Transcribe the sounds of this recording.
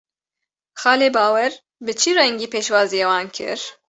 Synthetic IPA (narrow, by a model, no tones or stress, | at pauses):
xɑːleːbɑːwɛɾ | bɨt͡ʃʰirɛŋɡiːpʰeːʃwɑːzijewɑːnkʰɨ̰ɾ